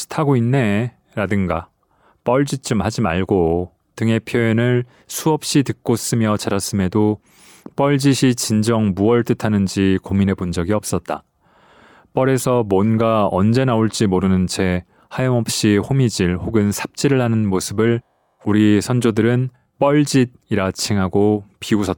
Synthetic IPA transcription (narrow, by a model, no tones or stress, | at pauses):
sʰɯ̥tʰaɡoinːe̞ | ɾadɯŋɡa | p͈ʌɭd͡ʑit͡ɕ͈ɯmhad͡ʑimaɭɡo | tɯŋe̞pʰjoenɯɭ | sʰuʌp̚ɕ͈itɯk̚k͈os͈ɯmjʌt͡ɕaɾas͈ɯme̞do | p͈ʌɭd͡ʑiɕʰit͡ɕind͡ʑʌŋbuʌɭt͈ɯtʰanɯnd͡ʑikomine̞pund͡ʑʌɡiʌp̚s͈ʌt̚t͈a̰ | p͈ʌɾe̞sʰʌmwʌnɡaʌnd͡ʑe̞naoɭt͡ɕ͈imoɾɯnɯnt͡ɕʰe̞ | hajʌŋʌp̚ɕ͈ihomid͡ʑiɭhoɡɯnsʰḁp̚t͡ɕ͈iɾɯɭɦanɯnmosʰɯbɯɭ | uɾisʰʌnd͡ʑodɯɾɯn | p͈ʌɭd͡ʑid̚iɾat͡ɕʰiŋɦaɡopiusʰʌt̚